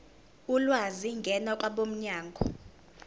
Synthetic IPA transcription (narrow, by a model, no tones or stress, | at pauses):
ulwaziŋɡʱɛnakʼwaɓom̩ɲaːŋɡʱɔ